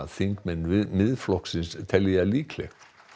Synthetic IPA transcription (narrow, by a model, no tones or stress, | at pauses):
aθiŋkmɛnːmɪðflɔksɪnst̪ʰɛlːɪaliːkʰlɛ̰xt̪